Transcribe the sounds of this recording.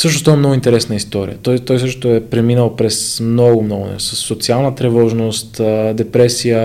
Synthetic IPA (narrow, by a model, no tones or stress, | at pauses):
sɤʃ̬nost̪ɔvɛmnɔɡʊint̪ɛɾɛsnəist̪ɔɾḭjə̰t̪ɔjt̪ɔjs̬əʃt̪o̥t̪oɛpɾɛminəlˠpɾɛsmnɔɡʊmnɔɡʊnɛ̰səsːot̪sialˠnət̪ɾɛvɔʒnost̪əd̪ɛpɾɛsijə